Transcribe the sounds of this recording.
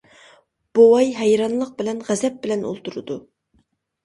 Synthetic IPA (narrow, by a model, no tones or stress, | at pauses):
b̥owɑjɦɛjɾɑnlˠəq̚bɪlɛnʁæzɛp̚bɪlɛno̰lˠt̪ʰuɾɨd̪u